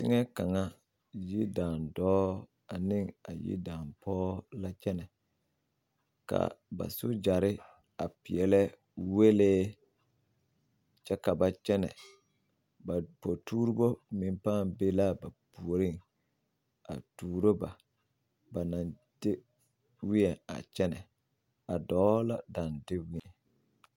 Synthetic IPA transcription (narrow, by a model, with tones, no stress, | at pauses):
sɪ˦ŋɛ˦ka˨ŋa˦ | ji˦daː˨ndɔː˦ | a˨nɪ˦ŋa˨jḭ˦daː˨mpʰɔː˦la˦t͡ʃɛ˦nɛ˨ | ka̰˨ba̰˨sʊ˦d͡ʒa˨ɾɪ˦ | a˨pɪ˨ɛ˨lɛ˦ | we˦leː˦ | t͡ʃɛ˦ka˨ba˨t͡ʃɛ˦nɛ̰˨ | ba˨po˨tuː˦ɾu˦bo˦mɪ˨m˦paː˦˨mbe˦la˦ba˨pu˨o˨ɾi˦ŋ | a̰˨tuː˨ɾo˦ba˨ | ba˨na˨n | d̥ɪ˦ | wi˦ɛ˨a̰˨t͡ʃɛ˦nɛ̰˨ | a˨dɔː˨˦la˦da˨ndɪ˦wɪ˦ɛ˨